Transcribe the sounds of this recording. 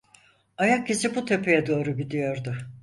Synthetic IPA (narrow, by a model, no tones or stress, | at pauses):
ajak̚cːesibut̪ʰe̞pʰejɛd̪o̞ːɾubid̪ijo̞ɾd̪ʊ